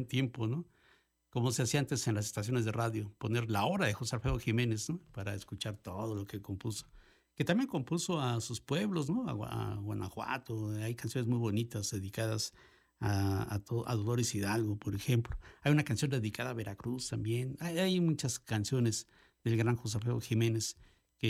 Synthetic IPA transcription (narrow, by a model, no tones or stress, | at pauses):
unt̪je̞mpono | komoseasiaant̪esenlas̬est̪asjo̞nezðe̞raðjopo̞ne̞ɾlao̞ɾaðexosaɾfeðoxime̞nesnopaɾaeskut͡ʃaɾt̪o̞ðo̞lo̞ke̞kompuso̥ | ket̪ambjeŋko̞mpusoasuspwe̞βlo̞z̬noa̰aa̰ɣwanaxwa̰t̪oajkansjo̞nezmujβo̞nit̪azðe̞ðikaðas | aat̪oʔa̰ðolo̞ɾesiðalɣopoɾexemploajunakansjo̞nd̪eðikaðaːβe̞ɾakɾust̪ambjenajajmut͡ʃaskansjo̞nez | ðelɣɾaŋxos̬afeoxime̞nes | ke